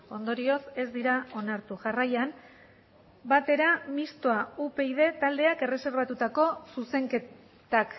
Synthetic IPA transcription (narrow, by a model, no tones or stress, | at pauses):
o̞nd̪o̞ɾio̞se̞zd̪iɾao̞naɾt̪uʝarajam | bat̪e̞ɾamist̪oaupe̞ið̞e̞t̪ald̪e̞ake̞re̞se̞ɾβat̪ut̪ako̞suse̞ŋke | t̪ak